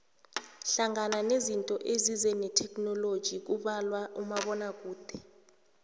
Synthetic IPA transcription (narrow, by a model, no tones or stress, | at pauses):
ɬaŋananezintʼɔʔezizɛnɛtʰɛkʰʼnɔlod̥ʒ̥ʱik̬uɓalwaʔumaɓɔnak̬ʼuːd̥ʱɛ